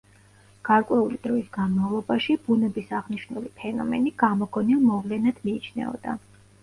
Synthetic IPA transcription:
ɡ̥aɾkʼwɛulid̪̥ɾɔisɡanmavlˠɔbaʃib̥unɛbisaʁniʃnulipʰɛnɔ̰mɛ̰niɡ̥amɔɡɔnilˠmɔvlɛnad̪̥miːt͡ʃʰnɛ̰ɔ̰d̪̥a̰

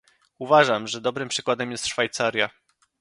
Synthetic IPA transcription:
uvaʐamʐɛd̪ɔbɾɘmpʂɘkwad̪ɛmjɛst̪ʂfajt̪saɾʲja

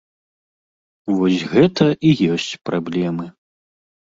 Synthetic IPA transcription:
vɔsʲɣɛt̪ɐʔijɔsʲt͡sʲpɾablʲɛmɨ

